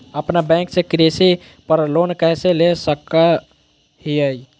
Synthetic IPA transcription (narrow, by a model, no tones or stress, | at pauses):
əpnabɛ̃ŋksekɾesi | pəɾloːnkɛselesəka | ɦiəi